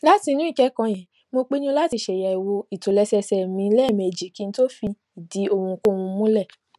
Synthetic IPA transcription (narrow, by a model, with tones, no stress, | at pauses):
la˦ti˧nũ˦i˦˨kɛ˨˦kã˧j̃ɛ̃˨ | mo˧k͡pe˦nũ˦la˦ti˧˨ʃɛ˨ja˨i˨wo˧i˨to˨lɛ˧sɛ˧sɛ˨mĩ˧˦lɛ˦˨me˨d͡ʒi˨ki˨˦n̩˦to˦fi˧ | i˨di˨˦o˧ũ˧ko˦˨wũ˧mũ˦lɛ˦˨